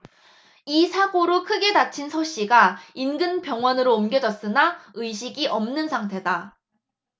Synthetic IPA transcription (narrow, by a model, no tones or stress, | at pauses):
isʰaɡoɾokʰɯɡe̞dat͡ɕʰinsʰoɕ͈iɡainɡɯnpjʌŋwʌnɯɾoːmɡjʌd͡ʑʌs͈ɯnaɯɕ̬ʰiɡiʔʌmnɯnsʰaŋtʰe̞da